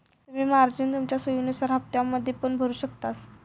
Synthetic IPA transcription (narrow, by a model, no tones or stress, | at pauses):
t̪um̤iːmaɾd͡ʑint̪umt͡ɕjasəjunisəɾap̚t̪jamːəd̪ʱːjepəɳbʱəɾuːɕəkt̪as